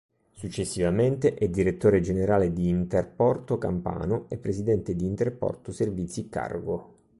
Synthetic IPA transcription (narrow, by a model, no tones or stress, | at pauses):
sut͡ʃːesːivament̪eʔɛd̪iɾet̪ːoːɾed͡ʒeneɾaːled̪iːnt̪erpɔrt̪oka̰mpa̰ːnoepːɾezid̪ɛnt̪ed̪iːnt̪erpɔ̰rt̪oservit̪sikːa̰rɡo